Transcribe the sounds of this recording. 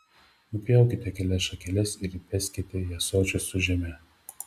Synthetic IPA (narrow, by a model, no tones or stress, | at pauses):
ʊpʲjɛˑʊkʲɪt̪ʲɛkʲɛlʲɛsʃɐkʲɛlʲɛsɪɾipʲɛsʲkʲɪt̪ʲɛjɛsoːt͡ʃʲʊsʊʒʲɛmʲɛ